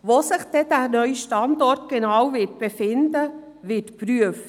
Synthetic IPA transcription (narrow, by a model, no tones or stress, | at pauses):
ʋoːsɪχd̥ɛdæːɾnœʏʃtɑndɔɾtɡ̥ɛnawvɪt̚b̥efɪndə | ʋɪtpɾyəft